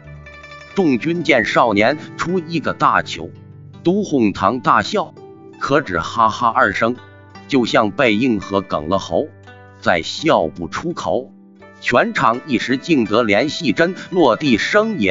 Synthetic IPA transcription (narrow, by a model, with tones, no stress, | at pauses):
ʈ͡ʂʊ˥˩ŋt͡ɕy˥nt͡ɕjɛ˥˧nʂɑ˥˩ʊnjɛ˧˥nʈ͡ʂʰu˥i˥˩ɡə˧t̪a˥˩t͡ɕʰjo̰˧˥ʊ | t̪u˥xʊ˥˩ŋt̪ʰɑ˧˥ŋt̪a˥˧ɕjɑ˥˩ʊ | kʰɤ˧˥ʈ͡ʂɻ̩˨˩xa˥xa˥ʔə˞˥˩ʂɤ˥ŋ | t͡ɕjo˥˧ʊɕjɑ˥˧ŋpe˥˧ɪi˥˩ŋxɤ˧˥kɤ̰˨˩ŋlə˧˦xo˧˥ʊ | t͡sa˥˩ɪɕjɑ˥˧ʊpu˥˩ʈ͡ʂʰu˥kʰo˨˧˩ʊ | t͡ɕʰɥɛ˧˥nʈ͡ʂʰɑ˧˥ŋi˥˩ʂɻ̩˧˥t͡ɕi˥˩ŋt̪ɤ˧˥ljɛ˧˥nɕi˥˩ʈ͡ʂə˥nlwɔ˥˧t̪i˥˩ʂɤ˥ŋjɛ˧˥n